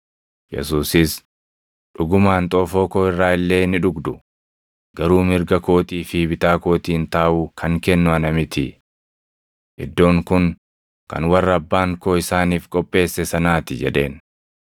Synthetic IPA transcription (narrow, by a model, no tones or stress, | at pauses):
jɛ̰suːsɪs | ᶑʊɡʊmaːnt̪ʼoːfoːkoːɪrːaːɪlːe̞ːnɪᶑʊɡd̪ʊ | ɡ̥ɐɾuːmɪɾɡɐko̞ːt̪iːfibɪt̪aːko̞ːt̪iːnt̪aːʔuːkʰɐŋkɛnːʊɐnɐmɪt̪ɪ | ʔɪd̪ːo̞ːŋkʊŋ | kɐ̰nwɐrːɐɐbːaːŋkoːɪsaːniːfkʼɔpʼːe̞ːsːɛsɐnaːt̪ɪd͡ʒɛᶑe̞̰ːn